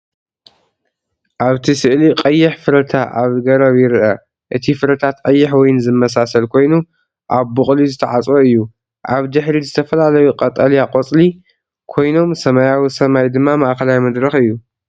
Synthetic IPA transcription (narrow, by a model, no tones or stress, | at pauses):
ʔaβt̪ʰisɨʔliqʼɐjːɪħfɨɾɐt̪ʰaʔaβɡɐɾɐβjɪɾʔɐ | ʔɨt̪ʰifɨɾɐt̪ʰat̪qʼɐjːɪħwɔjnzɨmːɐs̬asɐlkʰo̞jnu | ʔaβːɨχʼlizɨt̪ʰɐʕat͡sʼwoɨjːu | ʔaβd̪ɨħɾizɨt̪ʰɐfɐlalɐjuqʼɐt̪ʼɐljaqʼot͡sʼli | kʰo̞jno̞msɐmajawisɐmajd̪ɨmːamaʔkʰɐlawjmɐd̪ɾɐxɨjːu